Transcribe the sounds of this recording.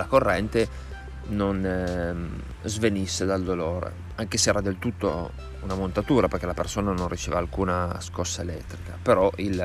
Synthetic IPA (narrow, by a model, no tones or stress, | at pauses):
lakorːɛnt̪e | non | zvenisːed̪ald̪oloːɾḛ | aŋkesɛːɾad̪elt̪ut̪ːo̰ | unamont̪at̪uːɾaperkelapersoːnanonrːit͡ʃevalkuːnaskɔsːaelɛt̪ːɾikapeɾɔil